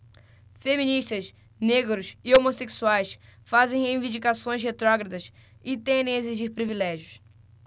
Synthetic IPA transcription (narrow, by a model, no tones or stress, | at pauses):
femĩniʃt̪ɐs | neɡɾʊsɪomoseksuajsfazẽj̃heĩvĩd͡ʒikasõj̃shet̪ɾɔɡɾɐd̪ɐs | ɪt̪ẽnd̪ẽeziʒiɾpɾivilɛʒjʊs